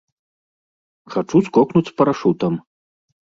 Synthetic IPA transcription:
xat͡ʂuskɔknut͡sʲspɐɾaʂut̪ɐm

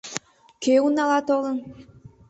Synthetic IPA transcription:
keunɑlɑt̪olən

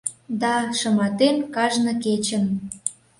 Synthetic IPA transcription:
d̪ɑʃə̆mɑt̪enkɑʒnə̆ket͡ɕə̆n

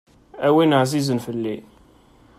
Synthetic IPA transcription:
æwinəʕzizənfəlːi

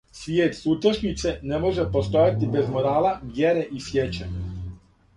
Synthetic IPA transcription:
sʋjɛːt̪suːt̪ɔʃɲit̪sɛnɛmoʒɛpost̪ojat̪ʲibɛzmoɾaːlaʋjɛɾɛʔisjɛt͡ʃɛ

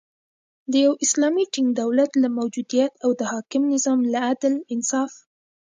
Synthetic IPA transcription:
d̪əjawʔɪslɑmiʈiŋɡd̪awlat̪lamawd͡ʒud̪ijat̪awd̪əhɑkɪmnɪzɑmlaad̪lɪnsɑf

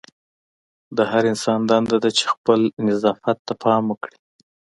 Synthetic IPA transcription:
d̪əɦaɾɪnsɑnd̪ɑnd̪ɑd̪at͡ʃe̥xpəlnɪzɑfat̪ːapʰɑmwəkɽi

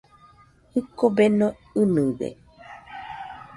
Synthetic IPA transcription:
hɨkobeno | ɨnɨ̃ðḛ

